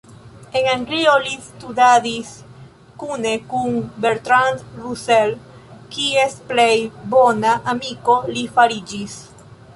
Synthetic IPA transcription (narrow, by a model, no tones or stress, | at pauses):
e̞ŋaŋɡlio̞listudadis | kune̞kunbeɾt̪ɾand̪ɾusel | kiesplejbo̞naʔamiko̞lifaɾid͡ʒis